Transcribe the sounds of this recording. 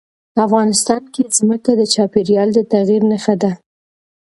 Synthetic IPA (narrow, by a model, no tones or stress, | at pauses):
afɣɑnɪst̪ɑnkezməkad̪ət͡ʃɑpeɾjɑld̪ət̪aɣiɾnaxad̪a